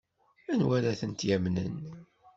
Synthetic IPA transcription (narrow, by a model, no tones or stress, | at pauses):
ænwæɾæθənt̪jæmnə̰n